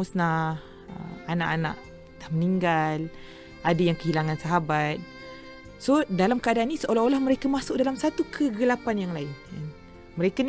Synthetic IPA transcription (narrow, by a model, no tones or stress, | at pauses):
usna | ə̰mana̰ʔana̰ʔ | dahməniŋɡal | adajaŋkəɦilaŋãnsaɦabat̪̚ | sodalamkəadaːnːisəʔolaholahməɾekamasʊk̚dalamsat̪ukʰəɡəlapanjaŋlaɪnjan | məɾekan